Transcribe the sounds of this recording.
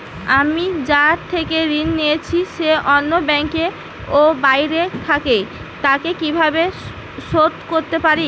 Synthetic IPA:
amid͡ʑaɾt̪ʰekeɾinːijet͡ɕʰiʃeʔɔnːobɛŋke | obajɾet̪ʰake | t̪akekibʱabe | ʃot̪koɾt̪epaɾi

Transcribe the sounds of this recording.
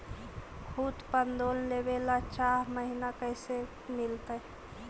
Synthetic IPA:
kʰut̪pənd̪ollebelat͡ʃaɦməɦinakəɪse | milt̪əj

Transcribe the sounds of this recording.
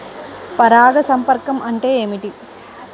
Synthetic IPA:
pɐɾaːɡɐsɐmpɐɾkɐmɐɳʈe̞ːeːmiʈi

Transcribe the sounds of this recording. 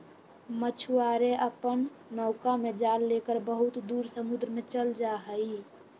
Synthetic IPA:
mət͡ʃʰuaɾeʔəpən | nɔʊkamed͡ʒallekəɾbəɦut̪d̪uɾsəmud̪ɾəmet͡ʃəld͡ʒaɦəi

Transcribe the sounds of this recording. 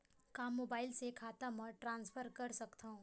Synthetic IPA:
kaːmːoːbaːɪlsekʰaːt̪amɐʈɾãːnsfʰəɾkɐɾsɐkt̪aɦũː

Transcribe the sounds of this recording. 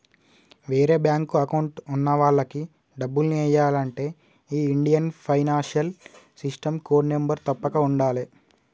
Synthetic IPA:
ʋeːɾe̞ːbjaːŋkuɐkɐwɳʈunːɐʋaːɭːɐki | ɖɐbːulniɛjːaːlɐɳʈe̞ː | iːiɳɖijɐnpʰɐjnaːnʂjɐlsisʈɐmkoːɖnembɐɾt̪ɐpːɐkɐuɳɖaːli

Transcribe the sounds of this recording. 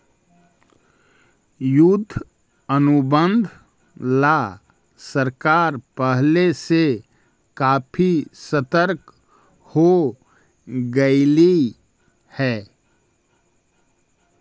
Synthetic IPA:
jʊd̪ʱː | ənʊbə̃nd̪ʱ | la | səɾkaːɾpəɦlese | kaːpʰisət̪əɾk | ho | ɡəɪli | hɛː

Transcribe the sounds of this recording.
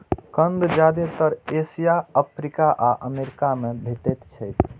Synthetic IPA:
kənd̪d͡ʒad̪et̪əɾesijaəpʰɾikaʔaʔəmeɾikamebʱeʈɛt̪t͡ʃʰəjt̪

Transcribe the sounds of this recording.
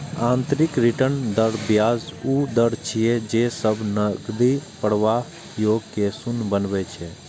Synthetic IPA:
ãːnt̪ɾɪkɾɪʈənd̪əɾbjaːzuːd̪əɾt͡ʃʰijed͡ʒeːsəbnəɡd̪ipəɽʋa | joːɡ̚kesʊnbənʋɛt͡ʃʰɛ

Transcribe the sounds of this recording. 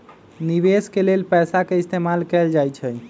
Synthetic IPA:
niʋeskelelpɛsakeist̪emalkɛld͡ʒajt͡ʃʰɛ

